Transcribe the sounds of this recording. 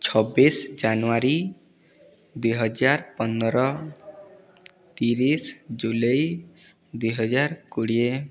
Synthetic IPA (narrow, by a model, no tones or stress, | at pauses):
t͡ʃʰɔbisd͡ʒanuaɾi | d̪ujɦɔd͡ʒaɾpɔnːɔɾɔ | t̪iɾisd͡ʒulɔj | d̪ujɦɔd͡ʒaɾkuɽie